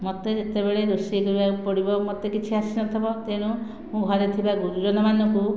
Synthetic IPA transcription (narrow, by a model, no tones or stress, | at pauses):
mɔt̪eet̪eβeɭeɾusikɔɾibapɔɽibɔmɔt̪ekit͡ʃʰiasinɔt̪ʰɔbɔt̪eɽ̃ũ | mũɡʱɔɾet̪ʰibaɡuɾud͡ʒɔnɔmanɔku